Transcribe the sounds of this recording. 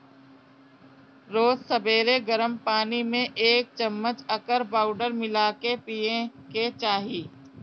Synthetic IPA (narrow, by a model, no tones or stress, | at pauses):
ɾoːzsɐbeːɾeɡɐɾəmpaːnimẽʔeːk̚t͡ʃɐmːət͡ʃɐkəɾpaːʊɖəɾmɪlaːkepiːjẽket͡ʃaːɦiː